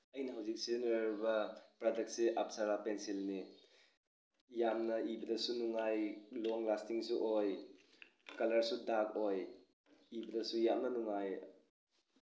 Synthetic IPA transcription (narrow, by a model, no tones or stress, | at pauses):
ɐjnɐɦawzik̚senɾubɐpɾadɐk̚t̚seʔap̚saɾapensilni | jamnɐibɐdɐsunuŋajloŋlastiŋsuʔoj | kɐlɐɾsudakoj | ibɐdɐsujamnɐnuŋaj